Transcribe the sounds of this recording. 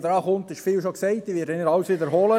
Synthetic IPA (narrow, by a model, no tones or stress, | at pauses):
d̪əɾɑːχʊnt̪ɪʃfiːlʃoksɛɪt̚d̪iːʋɪːɾdɛɪnəɾɑwsʋid̪əɾɦoːlə